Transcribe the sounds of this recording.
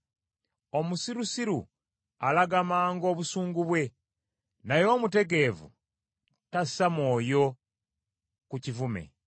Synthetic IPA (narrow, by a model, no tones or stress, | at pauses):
o̞musiɾusiɾu | alaɡamaːŋɡo̞ːβusuːŋɡuβwe̞ | najo̞ːmute̞ɡe̞ːvṵ | tasamoːjo̞ | kucivume̞̰